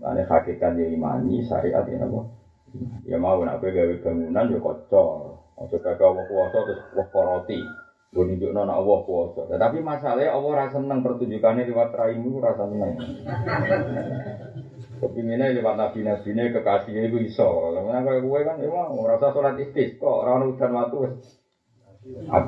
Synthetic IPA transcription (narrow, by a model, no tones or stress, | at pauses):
ka̰nḛha̰kekanjaima̰ɲḭsa̰ʔḭʔa̰t̪ḭnɔ̰wɔ̰ | ja̰mauna̰beɡaweb̥a̤ŋunand͡ʒɔkɔ̰t͡ʃɔɔ̰t͡ʃɔkaɡaɔwɔhkuɔsɔt̪ʊswɔhkɔɾɔt̪i | ɡəniduʔnɔna̰ʔwɔhkuɔsɔt̪at̪apimasalahjaʔɔwɔɾasənəŋpərt̪uɲd͡ʒukaneliwat̪ɾaimikuɾasasənəŋ | a̰a̰ | kəpiŋinelewat̪̚nab̥i̤nab̥i̤nekəkasiekuisɔkalɔlaŋunakojɛkuwɛmanjamauɾasasolat̪ist̪ɪsk̪ɔʔɾaanud̪̥a̤nwat̪uwɛs | a̰